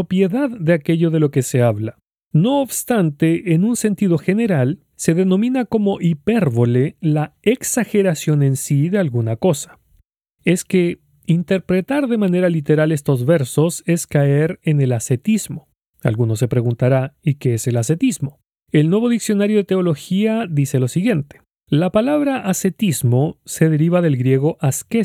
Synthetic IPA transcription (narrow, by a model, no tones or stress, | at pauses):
opje̞ðaðːe̞ake̞ʝo̞ðe̞lo̞ke̞se̞aβla | no̞ːβst̪ant̪e̞ʔːnunse̞nt̪iðoxe̞ne̞ɾal | se̞ðe̞no̞mĩnako̞mo̞ʔipeɾβo̞le̞laeksaxe̞ɾasjo̞ne̞nsiðe̞alɣunako̞sḁ | e̞ske̞ | int̪e̞ɾpɾe̞t̪aɾðe̞mane̞ɾalit̪e̞ɾale̞st̪o̞zβe̞ɾso̞se̞skae̞ɾene̞lase̞t̪izmo̞ | a̰lɣuno̞s̬e̞pɾe̞ɣunt̪aɾaikeese̞lase̞t̪izmo̞ | e̞lnwe̞βo̞ðiksjo̞naɾjo̞ðe̞t̪e̞o̞lo̞xiaðise̞lo̞siɣje̞nt̪e̥ | lapalaβɾaʔase̞t̪izmo̞se̞ðe̞ɾiβaðe̞lɣɾje̞ɣ̞o̞ʔaske